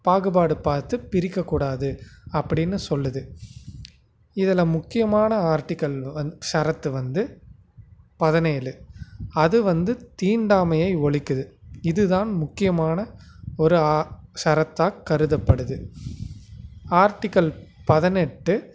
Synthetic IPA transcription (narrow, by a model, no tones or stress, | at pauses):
paːɣɯbaːɽɯpaːɾt̪ɯpɪɾɪkːɐkːuːɽaːðɯɐpːɐɽɪnːɯsɔlːɯðɯ | ɪðɐlɐmʊkːɪjɐmaːnɐaːɾʈːɪkɐlɐʂɐɾɐt̪ːɯʋɐnd̪ɯ | pɐðɐneːɐlɯɐðɯʋɐnd̪ɯt̪iːɳɖaːmɐjɐɪɔɭɪkːɯðɯɪðɯðaːnmʊkːɪjɐmaːnɐɔɾɯaːʂɐɾɐt̪ːaːkːɐɾɯðɐpːɐɽɯðɯ | aːɾʈɪkːɐlpɐðɐnɛʈːɯ